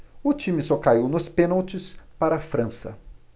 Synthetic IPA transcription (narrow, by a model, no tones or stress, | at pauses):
ʊt͡ʃĩmɪsɔkaiwnʊspẽnɐwt͡ʃɪspaɾɐafɾɐ̃sɐ̰